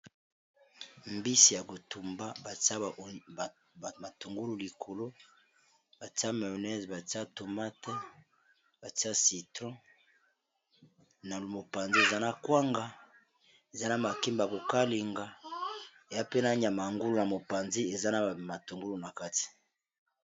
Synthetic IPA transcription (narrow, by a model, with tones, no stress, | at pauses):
mbi˦si˨ja˨ko˨tu˨mba˦ba˨ta˦˨ | ma˨to˨ŋɡu˦lu˨li˨kʰo˨lo˦ | b̥a˨ti˦a˦ma˨o˨nɛ˦zba˨ti˦a˦to˨ma˦tɛ˦ | b̥a˨ti˦a˦si˨tʁɔ̃˦ | na˨lmo˨pa˨nzi˦e˨za˦na˨kwa˦ŋɡa˨ | e˨za˦na˨ma˨ki˦mba˨ko˨ka˦li˨ŋɡa˨ | e˨ja˦pe˦na˦ɲ˨a˨ma˨ŋɡu˦lu˨na˨mo˨pa˨nzi˦e˨za˦na˨ma˨tu˨ŋɡo˦lu˨na˨ka˦ti̥˨